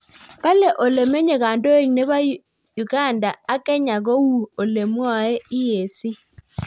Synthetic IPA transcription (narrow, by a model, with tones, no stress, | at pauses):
pa˦lɛ˨ʔo˨le˨me˦ɲe˨ɡa˨ndo˦e˦˨ŋne˦ba˦ | ju˨ɡa˦˨nda˨a˦kɛ˦ɲa˨ɡo˦wu˦˨o˨le˨m˦ɔ˦˨ɛ˦ɪ˦je˨si˦